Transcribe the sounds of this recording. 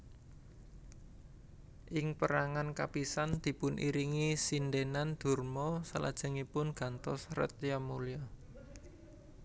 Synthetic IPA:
ʔɪŋpəɾaŋankapisand̪̥i̤pʊnʔḭɾiŋisindenand̪̥ṳrmɔsala̰d̥ʒ̥ə̤ŋipʊnɡ̥a̤nt̪ɔsrə̰t̪jamulija

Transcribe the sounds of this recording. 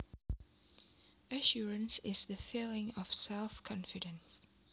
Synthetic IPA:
əʃɔɹə̃nsɪzðəfilɪ̃ŋɔv̥sɛlˠfkʰɔ̃nfɪdə̃ns

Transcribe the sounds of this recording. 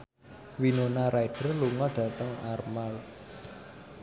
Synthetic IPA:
winonaɾaiɖ̥ərluŋɔlɖ̥ä̤t̪əŋarmal

